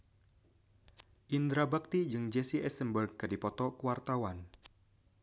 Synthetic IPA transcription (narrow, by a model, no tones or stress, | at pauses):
ʔind̪ɾabak̚t̪id͡ʒɨŋd͡ʒɛsiʔɛsəmbərɡ̚kːɨdipɔt̪ɔkuwart̪awan